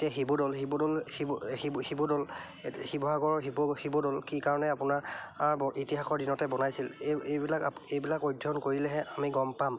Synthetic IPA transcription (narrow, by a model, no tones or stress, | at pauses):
etiaxibodɔlɦibodɔlhiihibodɔl | hibʱɔɦaɡɔɹɦibɔhibodɔlkikaɹɔnɛapʊnaɹaɹbɔitiɦaxɔɹdinɔtɛbɔnajsilejbilakejbilakojdʱɔnkoɹilɛɦɛʔamiɡɔmpam